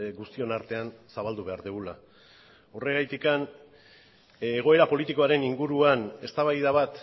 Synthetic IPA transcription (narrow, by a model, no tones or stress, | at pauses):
ɡust̪io̞naɾt̪e̞ansaβald̪uβe̞aɾðuɣula | ore̞ɣajt̪ikan | eɣ̞o̞e̞ɾapo̞lit̪iko̞aɾe̞niŋɡuɾuane̞st̪aβajðaβat̪